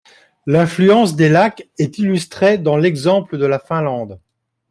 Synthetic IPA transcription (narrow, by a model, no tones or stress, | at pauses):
lɛ̃flyɑ̃sd̪elakɛt̪ilyst̪χed̪ɑ̃lɛɡzɑ̃pləd̪əlafɛ̃lɑ̃d̪